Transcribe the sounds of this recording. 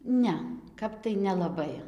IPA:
ˈnʲɛ ˈkɐp tɐɪ nʲɛlˠɐˈbɐɪ

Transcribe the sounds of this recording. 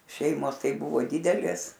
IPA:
ˈʃʲɛɪmoːs ˈtɐɪ ˈbʊʋoː ˈdʲɪdʲɛlʲeːs

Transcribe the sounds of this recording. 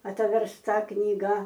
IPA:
ɐtʲʋʲɛrsˈtɐ knʲiːˈɡɐ

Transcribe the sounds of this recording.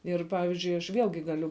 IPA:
ˈɪr ˈpɑːʋʲɪzʲd͡ʒʲʊɪ ɐʃ ˈʋʲiɛlʲɡʲɪ ˈɡɑːlʲʊ

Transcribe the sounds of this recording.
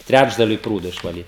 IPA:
ˈtʲrʲæd͡ʒdɐlʲʊɪ ˈpruːdoː ɪʃʋɐˈlʲiːt

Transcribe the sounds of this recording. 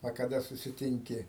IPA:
ɐ kɐˈdɐ sʊsʲɪˈtʲɪŋʲkʲɪ

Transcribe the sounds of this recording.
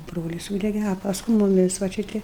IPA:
ˈbroːlʲɪs ˈsuːdʲɛɡʲɛ ɐ pɐsˈkʊɪ mʊˈmʲɪs ʋɐ ˈt͡ʃʲɪ ˈtʲɪ

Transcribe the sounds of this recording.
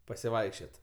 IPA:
pɐsʲɪˈʋɐɪkʃʲt͡ʃʲoːtʲ

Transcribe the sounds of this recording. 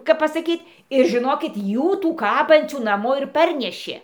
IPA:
kɐp pɐsɐˈkʲiːtʲ ɪr ʒʲɪˈnoːkʲɪt ˈjuː ˈtuː ˈkɑːbɐnʲt͡sʲuː nɐˈmoː ɪr ˈpɐrʲnʲɛʃʲeː

